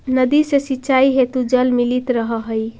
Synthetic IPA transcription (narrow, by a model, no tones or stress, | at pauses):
nəd̪isesitːʃaiɦet̪ud͡ʒəlmilit̪ɾəɦəɦəj